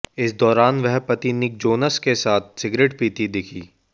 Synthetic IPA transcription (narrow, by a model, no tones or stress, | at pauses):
ɪs̬d̪ɔːɾaːnʋɛɦpɐt̪inɪk̚d͡ʒoːnəskesaːt̪̚ʰsɪɡɾeːʈpiːt̪id̪ɪkʰiː